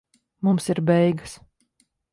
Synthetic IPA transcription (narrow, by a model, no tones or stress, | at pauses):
mumsiɾbɛjɡɨs